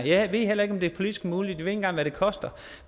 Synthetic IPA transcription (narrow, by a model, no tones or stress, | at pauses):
jæʋe̝̰el̰ɐeɡ̥ɒ̽md̥e̝æɐpʰolid̥isɡ̥muːli̥d̥iee̝nɡ̥ɑ̈ŋ̰ʋæɾ̥e̝kʰɒ̽sd̥ɐ